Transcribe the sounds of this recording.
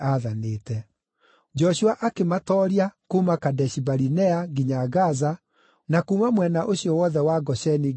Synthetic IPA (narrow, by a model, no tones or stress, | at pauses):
aðaneːtɛ | d͡ʒɔɕuaʔakematɔːɾiakumakadɛɕibaɾinɛaɡiɲaɡaza | nakuːmamwɛnaʔoɕiɔwɔðɛwaɡɔɕɛni